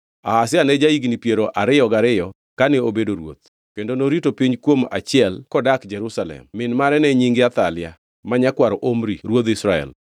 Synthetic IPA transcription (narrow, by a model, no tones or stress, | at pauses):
a̰hasɪanɛd͡ʒaiɡnipjeɾoʔaɾɪjɔɡaɾɪjɔ | kanɛobedoɾwo̰t̪̚ | kendonoɾitopiɲkwoma̰t͡ʃɪɛlkɔdakd͡ʒɛɾusalɛ̰mːɪnmaɾɛnɛɲiŋɡɪat̪alɪa̰ | maɲakwaɾɔʔomɾiɾwot̪ɪsɾaɛ̰l